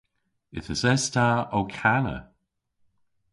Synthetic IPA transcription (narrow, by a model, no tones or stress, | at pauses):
ɪ̰θəsɛst̪ʰaːowkʰanə̰